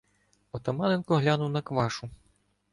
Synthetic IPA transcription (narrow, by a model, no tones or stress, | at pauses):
ɔt̪ɐmanɛnkɔɦlʲanuwnɐkʋaʂu